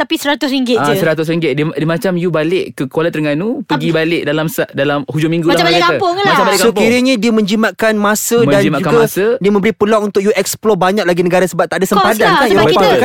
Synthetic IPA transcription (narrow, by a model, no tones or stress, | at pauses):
t̪apisəɾat̪ʊsɾiŋɡɪt̪ad͡ʒəsəɾat̪ʊs̬ɾiŋɡɪt̪̚ddimat͡ʃamjubalɪʔkəkoalat̪əɾəŋanupəɡibalɪʔ̚dalamsaʔdalamhud͡ʒʊmĩŋɡulaabalɪkapʊŋlat͡ʃabalɪksoiɾiɲədiəmə̃ɲd͡ʒimaʔkanmasədamaukaɡmasədiəmə̃mbəɾipəlaŋunt̪ʊk̚juʔɛksplɔbaɲak̚laɡinəɡaɾasəbap̚t̪aʔdasəmpadankanokak